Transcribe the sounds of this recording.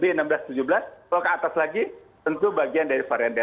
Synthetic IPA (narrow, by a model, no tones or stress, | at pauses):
beənambəlast̪ud͡ʒubəlasalakəat̪aslaɡit̪ənt̪ubaɡiandaɾifaɾianbɛ